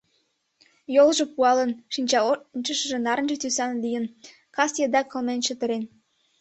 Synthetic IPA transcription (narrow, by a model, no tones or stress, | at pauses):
jolʒĕpuɑlə̆nʃinʲt͡ɕɑont͡ɕəʃəʒĕnɑɾənʒə̆t̪ysɑnlʲijən | kɑsjed̪ɑkə̆lmenʃə̆t̪ə̆ɾen